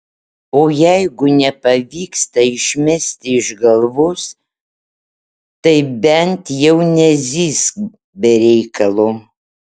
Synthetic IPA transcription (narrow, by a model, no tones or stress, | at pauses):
oːjɛɪɡʊnʲɛpɐʋʲiːkst̪ɐɪʃʲmʲɛsʲt̪ʲɪɪʒɡɐlˠʋʊs | t̪ɐɪbʲɛnʲt̪jɛʊnʲɛzʲiːs | bʲɛɾʲɛɪkɐlˠʊ